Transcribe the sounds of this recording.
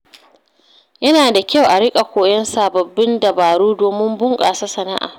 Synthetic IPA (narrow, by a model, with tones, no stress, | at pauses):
jɐ˦naː˨da˨kʲa˦wʔa˨ɽɪ˦kʼa˨kʷoː˨jɐ˦nsaː˨bɐ˨bːɪ˦ndɐ˨baː˨ɾuː˦doː˨mɪ˦mbʊ˦ŋkʼaː˨sa˦sɐ˨na̰˦ʔa̰ː˨